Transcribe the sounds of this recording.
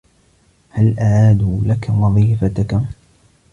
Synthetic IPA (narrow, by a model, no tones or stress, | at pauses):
halʔaʕaːd̪ulakawɑðˤiːfat̪aka